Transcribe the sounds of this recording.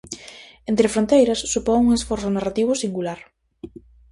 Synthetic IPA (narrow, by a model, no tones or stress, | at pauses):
ent̪ɾɪfɾont̪ejɾɐsːupɔŋuŋesfɔɾsʊnarat̪iβʊsiŋɡulaɾ